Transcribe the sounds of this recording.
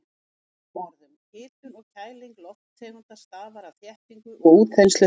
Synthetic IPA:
mɔɾðʏmhɪːt̪ʏɾɔɣcʰaːjliŋklɔht̪t̪ʰeːjmant̪ast̪aːðvaɾaθjɛhpiŋkʏʔɔɣuːt̪̚kʰɛnst̪œ

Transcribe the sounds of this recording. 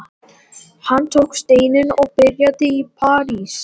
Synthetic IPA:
hanːt̪ʰowkst̪eːjnɪnɔɣpɪrjaðɪipʰaːɾis

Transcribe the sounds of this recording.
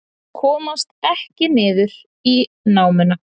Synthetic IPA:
kʰɔːmast̪ɛhcɪnɪːðʏɾ̥ | i | naːwmɪna

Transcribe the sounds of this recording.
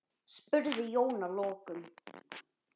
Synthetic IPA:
spʏɾðɪjownalɔːkʏm

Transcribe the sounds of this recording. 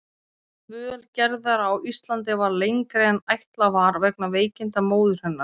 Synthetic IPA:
mʏːœlcɛɾðaɾawʔist̪lant̪̬ɪvaɾlejŋkɾejanajht̪lavaːɾvɛknaveːjcɪnt̪amoːwðʏɾ̥hɛnːḁ

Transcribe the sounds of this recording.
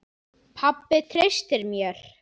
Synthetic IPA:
pʰapːɪt̪ʰɾest̪ɪɾmjɛɾ̥

